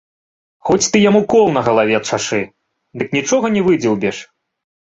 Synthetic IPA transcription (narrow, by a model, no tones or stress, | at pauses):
xɔt͡sʲt̪ɨjamukɔlˠnɐɣɐlˠavʲɛt̪t͡ʂaʂɨ | d̪ɨknʲit͡ʂɔɣɐnʲɛvɨd͡zʲiwˠbʲɛʂ